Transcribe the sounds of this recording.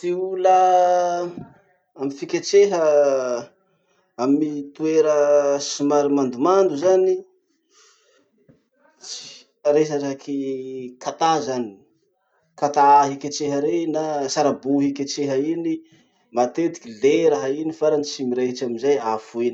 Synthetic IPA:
t̪iulə | amifikʲat͡seɦə | amit̪ueɾəsimaɾimand̪umand̪uzani | t͡si̥ | aɾesaɾaakʰikʰat̪azani̥ | kat̪aɦikʲat͡ʃeɦəɾenasaɾabuɦikʲet͡ʃeɦəini | mat̪et̪i̥kʲileɾaɦainifaɾanit͡ʃimiɾaɦit͡ʃaminzajafuini

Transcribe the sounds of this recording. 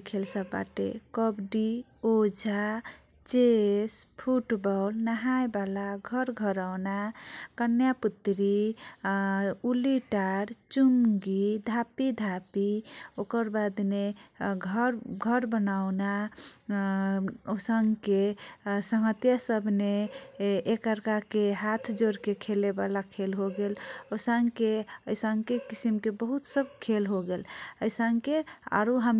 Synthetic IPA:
kʰelsəbːa̰ʈḛkɔbɖi | od͡ʒʱa | t͡ʃespʰuʈbɔlnaɦajbalaɡʱʌɾɡʱʌɾawnakənjaput̪ɾi | uliʈaɾt͡ʃumɡid̪ʱapid̪ʱapiokəɾbad̪neɡʱəɾɡʱəɾbənawna | osəŋɡkesəŋət̪jasəbʱneː | kəɾkakeɦat̪ʰd͡ʒoɾkekʰelebalakʰelɦoɡelosaŋɡkeəjsəŋɡkekisimkebəɦut̪səb̚kʰelɦoɡeləjsəŋɡkea̰ɾuɦəm

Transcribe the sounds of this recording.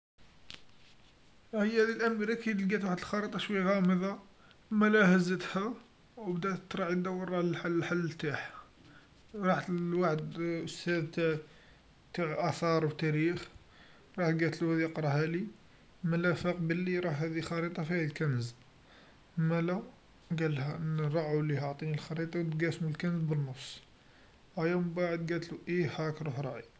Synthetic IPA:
həjːhæd̪ilʔæmɾækid̪əlɡæt̪waħəd̪əlxɑɾət̪ˤɑʃwəjːæɣæməðˤɑ | mːælæhəzːət̪hæ | wbd̪æʔt̪ət̪ˤɾˤɑʕəd̪æwərˤːɑħaħalːt̪aħ | ɾˤɑħt̪waħəd̪ʊst̪æd̪t̪æ | t̪aʕʔæθɑɾˤwt̪æɾix | ɾˤɑħt̪ɡæt̪luhæd̪iqɾˤɑɦæli | mælæfəqbəlːiɾˤɑhːæd̪ixɑɾit̪ˤɑfiæd̪lkænəz | mælæw | ɡælhænɾˤɑʕulihɑʕt̪ˤinilxɑɾit̪ˤɑwt̪ɡæsmulkænəzbənːəfsˤ | æjæmbaʕəd̪ɡæt̪luʔihækɾˤuħɾˤɑʕi

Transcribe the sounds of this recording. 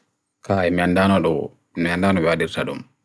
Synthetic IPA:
kaɛmandanɔɗɔ | miandaːnɔwɛwadiɾtaɗum

